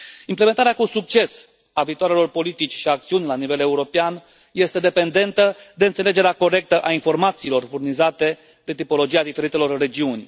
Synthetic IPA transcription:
implement̪aɾeakusuk̚t͡ʃe̞s | aviːt̪oaɾe̞lo̞rpo̞lit̪it͡ʃʲʃiak̚t̪siunʲlanive̞le̞uɾo̞pean | je̞st̪e̞d̪e̞pe̞nd̪e̞nt̪əd̪e̞ɨnt̪sele̞d͡ʒe̞ɾeako̞ɾe̞k̚t̪əʔainfo̞rmat̪siːlo̞rfurnizat̪e̞ | d̪e̞t̪ipo̞lo̞d͡ʒijad̪ife̞ɾit̪e̞lo̞rːe̞d͡ʒiunʲ

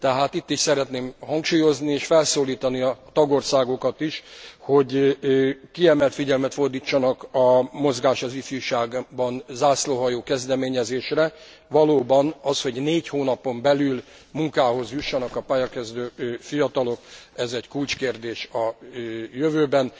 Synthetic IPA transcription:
t̪ɛɦaːt̪it̪ːiʃsɛɾɛt̪neːmhɒŋkʃuːjo̞znieːʃfɛlsoːliːt̪ɒniɒt̪ɒɡo̞rsaːɡo̞kɒt̪iʃho̞ɟ | kiɛmɛlt̪fiɟɛlmɛt̪fo̞rd̪iːt͡ʃːɒnɒkɒmo̞zɡaːʃɒzifjuʃaːɡbɒnzaːsloːɦɒjoːkɛzd̪ɛmeːɲɛzeːʃrɛ | ʋɒloːbɒnɒsho̞ɟneːchoːnɒpo̞mbɛlylmuŋkaːɦo̞zjuʃːɒnɒkɒpaːjɒkɛzd̪øːfijɒt̪ɒlo̞kɛzɛɟkult͡ʃkeːrd̪eːʃɒ | jøvøːbɛn

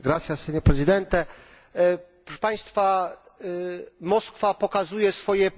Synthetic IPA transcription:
ɡɾat̪sjasɛɲɔpɾɛzɨd̪ɛnt̪ɛ | pɾɔʂɛ̥paj̃st̪fa | mɔskfapɔkazujɛsfɔjɛ

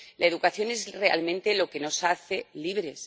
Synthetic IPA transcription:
laeðukaθjo̞ne̞zre̞a̰lmẽ̞nt̪e̞lo̞ke̞no̞saθe̞liβɾe̞s

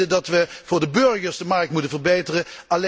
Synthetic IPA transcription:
ədɑtʋəv̥ʊːɹdəbøɹχəɹzdəmɑɹk̚tmutənvəɹbejtərəɑl

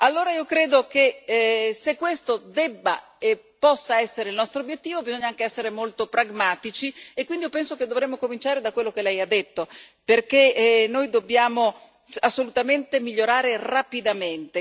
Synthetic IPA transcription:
alːoːɾaiːokɾeːd̪oke | sekːwest̪od̪ɛbːa̰ | epːɔsːaɛsːeɾeilnɔst̪ɾoːbjet̪ːiːvobizoɲːaaŋkeɛsːeɾemolt̪opɾaɡmaːt̪it͡ʃiekːwind̪iopɛnsoked̪ːovɾemːokomint͡ʃaːɾed̪akwelːok̟elɛjad̪ːet̪ːo | perkenːojd̪objaːmo | asːolut̪ament̪emiʎːoɾaːɾerapid̪ament̪e

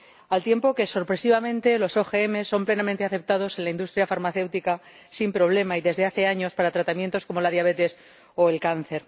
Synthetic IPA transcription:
alt̪je̞mpo̞keso̞ɾpɾe̞siβamẽ̞nt̪e̞lo̞so̞xe̞eme̞sːo̞mple̞nament̪e̞aθe̞p̚t̪að̞o̞se̞nlaind̪ust̪ɾjafaɾmaθe̞wt̪ika | simpɾo̞β̞le̞maiðe̞zðe̞aθe̞aɲo̞spaɾat̪ɾat̪amjent̪o̞sko̞mo̞lað̞jaβ̞e̞t̪e̞s | o̞elkan̟θe̞ɾ

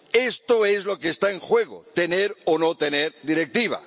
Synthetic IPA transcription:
e̞st̪o̞e̞zlo̞keːst̪aeŋxwe̞ɣ̞o̰t̪e̞neɾono̞t̪e̞neɾd̪iɾe̞k̚t̪iβ̞a̰

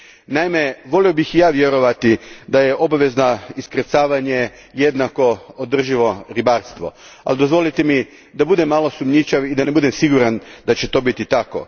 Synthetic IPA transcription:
naime̞ʋo̞lio̞bixjaːʋje̞ɾo̞ʋat̪id̪aje̞ʔo̞baʋe̞znaiskɾet̪saːʋaɲe̞ | je̞d̪nako̞od̪r̩ʒiʋo̞ɾibaɾst̪ʋo | a̰lid̪o̞zʋo̞lit̪emi | d̪abud̪emːalo̞sumɲit͡ʃaʋid̪ane̞bud̪e̞msiɡuɾand̪at͡ɕe̞t̪o̞ːbit̪it̪ako̞̰

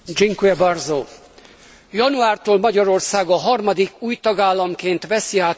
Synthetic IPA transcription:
d͡ʒiŋkuɛbɒrzoː | jɒnuaːrt̪oːlmɒɟɒɾo̞rsaːɡɒɦɒrmɒd̪ikuːjt̪ɒɡaːlːɒmkeːnt̪ʋɛsiaː

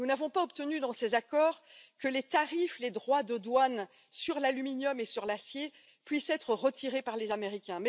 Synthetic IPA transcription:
nunavɔ̃paɔpt̪ənyd̪ɑ̃sezakɔːʁkəlet̪aʁifled̪ʁwad̪əd̪wan | syʁlalyminjɔmesyʁlasje | pɥisɛt̪χəʁət̪iʁepaʁlezameʁikʲɛ̃mɛ

